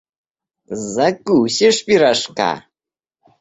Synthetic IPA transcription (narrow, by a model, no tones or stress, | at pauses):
zakʼuːɕiʂpiɾaʂka̰